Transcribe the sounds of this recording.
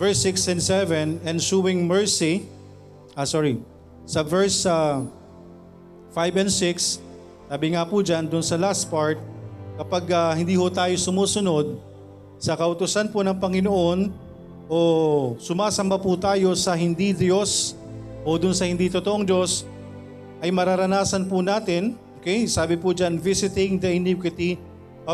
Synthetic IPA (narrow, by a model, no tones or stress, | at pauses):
vɛɹsɪksɛnsɛvɛnɛnsuwɪŋmɛɹsi | ʔaːsɔːɹi | sɐvɛɹsɐ | fajbɛnsɪks | saːbɪŋapud͡ʒand̪ʊnsɐlast̪̚paɹt̪̚kɐpaɡɐhɪnd̪iːhʊt̪aːjo̞sʊmuːsʊno̞d̪̚ | sɐkɐʔʊt̪ʊsanponɐŋpɐŋɪnoʔo̞n | ʔo̞sʊmaːsɐmbaput̪aːjo̞sɐɦɪnd̪id̪jo̞s | ʔod̪ʊnsɐhɪnd̪iːt̪ot̪oʔoŋd͡ʒo̞s | ʔɐjmɐɾɐɾɐnaːsɐnpʊnaːt̪ɪnʔoːkɛjsaːbɪpud͡ʒanvisɪt̪ɪ̃ŋd̪ɐɪnikwɪt̪i